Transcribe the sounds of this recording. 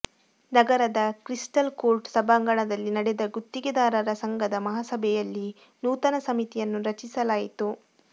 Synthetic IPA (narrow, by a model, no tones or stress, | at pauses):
nɐɡɐɾɐd̪ɐkɾisʈɐlkoːɾʈsɐbʱaːŋɡɐɳɐd̪ɐlːinɐɽɛd̪ɐɡut̪ːiɡɛd̪aːɾɐɾɐsɐŋɡɐd̪ɐmɐɦasɐbʱɛjɐlːi | nuːt̪ɐnɐsɐmit̪ijɐnːuɾɐt͡ʃisɐlaːjit̪u